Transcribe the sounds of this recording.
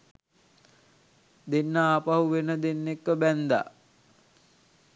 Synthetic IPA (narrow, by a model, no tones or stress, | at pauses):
d̪enːəaːpaɦuʋenəd̪enːekːəbænd̪a̰